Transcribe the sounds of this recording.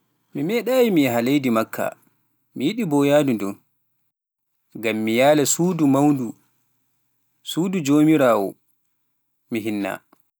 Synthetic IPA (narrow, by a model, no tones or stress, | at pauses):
mimɛɗaːjimiɦalejdimakʰːa̰ | mijiɗibɔjadundɔn | ɡamːijaːlɛsuːdumawndu | suːdud͡ʒoːmiɾaːwɔ̰ | miɦinːa̰